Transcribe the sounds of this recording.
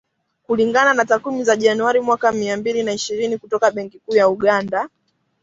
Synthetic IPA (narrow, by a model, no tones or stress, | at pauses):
kuliŋɡananatakwimizaʄanuaɾimwakamiambilinaiʃiɾinikutɔkaɓɛŋkikuːjauɠanda